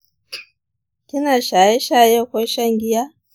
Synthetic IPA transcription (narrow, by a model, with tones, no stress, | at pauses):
ki˦na˨ʃa˨ɛ˦ʃa˦jɛ˦kwɛ˦ʃa˦ŋɡi˦a˦